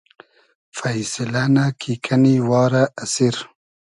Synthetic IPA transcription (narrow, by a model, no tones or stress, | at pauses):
fajsɪlanakʰikʰaniwɑːɾaʔːsiɾ